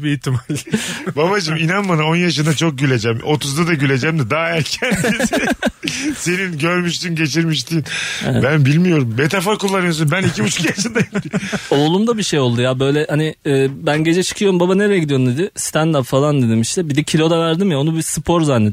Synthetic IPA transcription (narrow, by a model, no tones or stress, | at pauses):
biit̪ʰːimalʲbabad͡ʒɯminanmanao̞njaʃɯnd̪at͡ʃʰo̞k̚ɟylʲe̞d͡ʒæmo̞t̪ʰuzd̪ad̪aɟylʲe̞d͡ʒæmd̪ɪd̪aːæɾcʰænd̪i | se̞ninɟøɾmyʃt̪ynɟe̞t͡ʃʰiɾmiʃt̪ʰinɛɛ̰bænbilʲmijo̞ɾumbet̪ʰafaɾkulˠːanɯjos̬unbænicʰibut͡ʃʰu̥kjaʃɯnd̪aɟid̪iolˠumd̪abiʃejo̞lˠd̪ujabø̞jlʲɛhanɪːbænɟe̞d͡ʒɛt͡ʃʰɯ̥kʰɯjo̞ɾumbabaneɾɛjɛɟid̪io̞ɾumd̪ed̪ɪst̪ʰænd̪apfalˠand̪ed̪imiʃt̪ɛbid̪ɛcʰilʲo̞d̪avæɾd̪imjao̞nubisɯpʰo̞ɾzanːe